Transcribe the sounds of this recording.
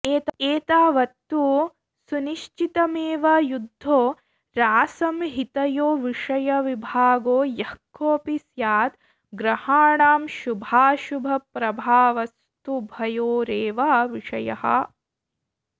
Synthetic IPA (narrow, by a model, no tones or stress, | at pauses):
eːt̪eːt̪aːʋɐt̪ːu | suniʃt͡ʃit̪ɐmeːʋɐjud̪ʱːoː | ɾaːsɐmɦit̪ɐjoːʋiʂɐjɐʋibʱaːɡoːjɐhkːoːpisjaːt̪ | ɡɾɐhaːɳaːmʃubʱaːʃubʱɐpɾɐbʱaːʋɐs | t̪ubʱɐjoːɾeːʋaːʋiʂɐjɐ̰hɐ̰̆